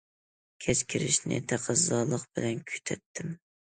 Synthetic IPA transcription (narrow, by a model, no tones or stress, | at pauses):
kʲʰɛskʲʰiɾɪʃnɪ̰t̪ʰæqʰəzːɑlˠəqb̥ɪlɛnkʲʰy̥t̪ʰɛt̪ʰːɪm